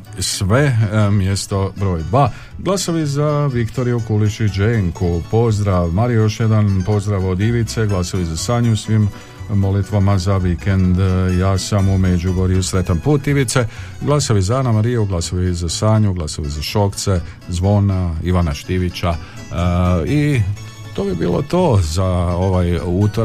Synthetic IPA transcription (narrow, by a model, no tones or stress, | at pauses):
sʋe̞mje̞st̪o̞bɾo̞ːjd̪ʋaː | ɡlˠasoʋizaʋikt̪o̞ɾijukulit͡ʃud͡ʒeŋkʰupo̞zd̪ɾaʋmaɾijo̞ʃje̞d̪anpo̞zd̪ɾaʋod̪iʋit̪seɡlˠasoʋizasaːɲuusʋimː | o̞lit̪ʋamazaʋike̞nd̪jaːsamumed͡ʒuɡoɾiusɾe̞t̪anpuːt̪iʋit̪seɡlˠasaʋizaanamaɾijuɡlˠasaʋizasaːɲuɡlasaʋizaʃo̞kt̪se | zʋo̞naiʋanaʃt̪iʋit͡ɕa | i | t̪oːbibḭːlˠo̰t̪oːzao̞ʋajut̪o